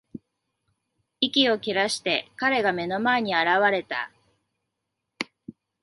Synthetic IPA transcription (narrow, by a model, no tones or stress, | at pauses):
ikʲio̞kʲiɾaɕi̥t̪e̞kaɾe̞ɡame̞no̞mae̞ɲ̟iaɾaβaɾe̞t̪a̰